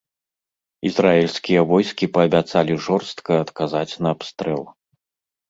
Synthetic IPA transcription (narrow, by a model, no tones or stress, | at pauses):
izraɛlʲsʲkʲijɐvɔjskʲipɐːbʲat̪salʲiʐɔrst̪kɐɐt̪kazat͡sʲnɐːpst̪ɾɛ̰lˠ